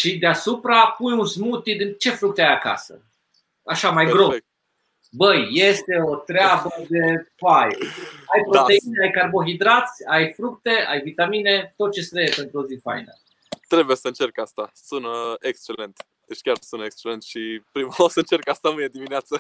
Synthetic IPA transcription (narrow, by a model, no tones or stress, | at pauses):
ʃid̪easupɾapunjunsmut̪id̪ɨnt͡ʃe̞fɾuk̚t̪eajaka̰sə̰ | aʃamajɡɾo̞ | bəjːe̞st̪e̞o̞t̪ɾeabəd̪e̞fajajpɾoe̞ineajkarbo̞ɦid̪ɾat̪sʲajfɾuk̚t̪e̞a̰jvit̪amine̞t̪o̞t̪̚t͡ʃe̞st̪ɾejepe̞nt̪ɾuozifa̰jnə̰ | t̪ɾe̞bujesəɨnt͡ʃe̞rkast̪asunəekst͡ʃe̞lent̪ | d̪et͡ʃʲkʲarsunekst͡ʃelent̪ʃipɾimaasəɨnt͡ʃe̞rkast̪amɨned̪imineat̪sə